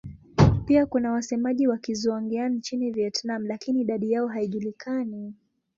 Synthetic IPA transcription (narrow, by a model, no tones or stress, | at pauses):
piakunawasɛmaʄiwakizuɔŋɡiannt͡ʃiniviɛtnam̩lakiniːɗaɗijaɔɦaiʄulikʰani